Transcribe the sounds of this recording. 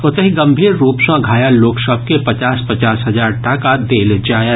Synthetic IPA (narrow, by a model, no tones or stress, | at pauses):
ʊt̪əɦiɡɐ̃mbʱiːɾːuːpsãɡʱaːjaloːkʃɔːp̚kepɐt͡ʃaːspɐt͡ʃaːsɦɐzaːɾʈaːkad̪eːld͡ʒaːjə